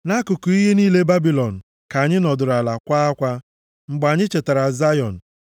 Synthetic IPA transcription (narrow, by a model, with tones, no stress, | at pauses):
na˦kʊ˨kʊ˨i˦ɦe˦niː˦le˦ba˦bi˨lɔ˨n̩˨ | ka˨ɲɪ˦nɔ˨dʊ˨ɾa˨la˨kʷa˦a˦kʷa˦ | ŋ͡m̩˨ɡ͡ba˨ɲɪ˦t͡ʃe˨ta˨ɾa˨za˦jɔ˨n̩˨